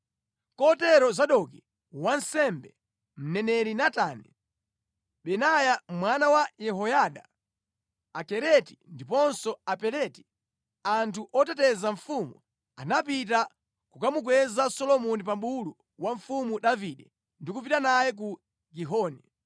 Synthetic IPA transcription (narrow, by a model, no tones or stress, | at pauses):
kɔtɛɾɔzaɗɔki | wansɛmbɛ | m̩nɛnɛɾinatani | ɓɛnajamwanawajɛɦɔjaɗa | akɛɾɛti̥ndipɔnsɔapɛɾɛti̥ | antʰuʔɔtɛtɛzaɱfumṵ | anapit̬a | kukamuk̬wɛzasɔlɔmɔnip̬amɓulu | waɱ̩fumuɗaviɗɛ | ndikup̬itanajɛk̬u | ɡiɦɔːni